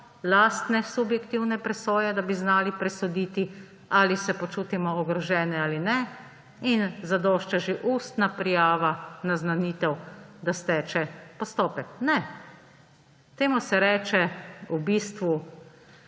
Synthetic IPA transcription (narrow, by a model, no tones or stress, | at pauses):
laːst̪nɛsubjɛkt̪iwnɛpɾɛsoːjɛd̪abiznaːlipɾɛsɔd̪iːt̪i | alisɛpɔt͡ʃuːt̪imɔːɡɾɔʒɛːnɛaːlinɛ | inzad̪ɔːʃt͡ʃaʒeʔuːst̪napɾijaːʋanaznaniːt̪ɛwd̪ast̪ɛːt͡ʃɛpɔst̪ɔːpɛknɛ | t̪eːmusɛɾɛːt͡ʃɛubist̪ʋu